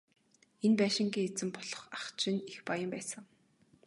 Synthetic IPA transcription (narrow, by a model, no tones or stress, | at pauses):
enpæːʃɪ̆ŋɡiːet͡sɘ̆mpɔɮɞ̆χaχt͡ɕɪ̆nexpajə̆mpæːsə̆ŋ